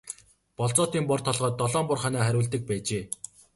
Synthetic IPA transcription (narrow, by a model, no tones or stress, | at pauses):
pɔɮt͡sɔːt̪iːmpɔrt̪ʰɔɮʁɔːt̪ːɔɮɔːmpʊrχaːnæːχæɾʲʊːɮt̪ɘ̆k̚pæːt͡ɕeː